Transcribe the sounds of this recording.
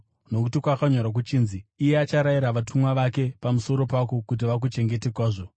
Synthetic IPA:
no̞kutikwakaɲoɾak̬ut͡ʃiːnziːjeat͡ʃaɾaiɾaʋatʰumwaʋake̞pamuso̞ɾo̞pako̞kut̬iʋak̬ut͡ʃe̞ŋɡe̞tekwaːʐo̞

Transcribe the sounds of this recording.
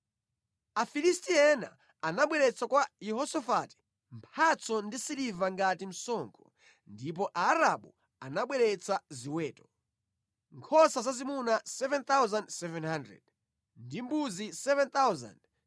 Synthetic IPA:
afilistiɛna̰ | anaɓwɛɾɛt͡sʰakwajiɦɔsɔfati̥ | mpʰat͡sʰɔndisiɾivaŋɡatim̩sɔːŋkʰɔ | ndip̬ɔʔaːɾaɓṵ | anaɓwɛɾɛt͡saziwɛːtɔ̥ | ŋkʰɔsazazimunasɛvɛnt̪awzandsɛvɛnhandɾɛ̰d̥̚ | ndimbuzisɛvɛnt̪awza̰nd

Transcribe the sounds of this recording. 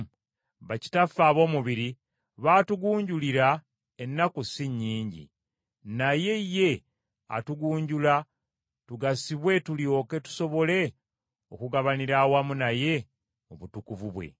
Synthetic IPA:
βaci̥tafaːβo̞ːmuβiɾi | βaːtuɡuːɲɟuliɾa | e̞nːakusiɲːiːɲɟḭ | naje̞je̞ | a̰tuɡuːɲɟula | tuɡasiβwe̞tuljo̞ke̞tu̥so̞βo̞le̞ | okuɡaβaniɾawamunaje̞ | oβutukuvuβwe̞̰

